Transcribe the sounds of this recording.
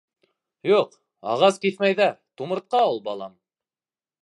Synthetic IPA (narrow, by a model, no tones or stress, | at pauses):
juq | ɑ̰ʁɑskiθmæjðæt̪umɤ̆ɾt̪̚qɑulˠbɑlˠɑ̰m